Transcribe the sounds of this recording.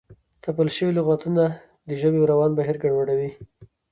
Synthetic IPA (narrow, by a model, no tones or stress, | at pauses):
t̪apəlʃəwilʊɣɑt̪una | d̪əʒəbewɾawɑnbaɦiɾɡaɳwaɽawi